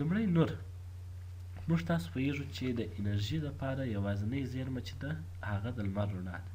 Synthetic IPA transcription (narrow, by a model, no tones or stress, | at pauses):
lumɽajnoɾ | muʐt̪ɑso̥pojeʐut͡ʃed̪əʔɪnaɾʒilapɑɾajawɑzɪnəjzeɾmat͡ʃe̥d̪a | haɣad̪əlmaɾoɳɑ̰d̪a